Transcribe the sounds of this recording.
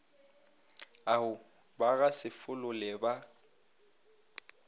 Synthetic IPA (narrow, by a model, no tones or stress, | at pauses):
aʊ | baɣasɪfʊlʊlɛba